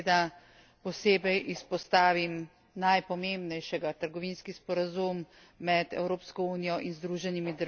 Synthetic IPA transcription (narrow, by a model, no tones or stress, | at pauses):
d̪a | pɔseːbɛjʔispɔst̪aːʋim | najpɔmeːmbnɛjʃɛɡat̪əɾɡɔʋiːnskispɔɾazumː | ɛd̪ɛ̰wɾoːpskɔuːnijɔʔinzd̪ɾuʒɛnimid̪əɾ